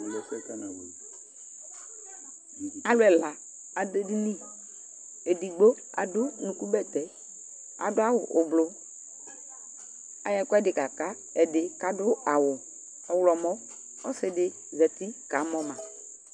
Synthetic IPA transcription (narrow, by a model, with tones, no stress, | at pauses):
lɔ˨kɛ˦ka˦na˨we˨ | a˨˦lʊ˦ɛ˨la˨ | a˨de˦di˦ni˦˨ | e˨di˨ɡ͡bo˦ | a̰˨dʊ˦nũ˨ku˦bɛ˦t̪ɛ˨˦ | a̰˨dʊ˦a˦wʊ˨ʔʊ˨blʊ˦ | a˨jɛ˦˨kɔ˦ɛ˦dɪ˨ka˨ka˦ | ɛ˨dɪ˨ka˨dʊ˦a˨wʊ˨ | ɔ˨wlɔ˨mɔ˦ | ɔ˦sɪ˨dɪ˨ | zɛ˨ti˦ka˨˦mɔ˦ma˨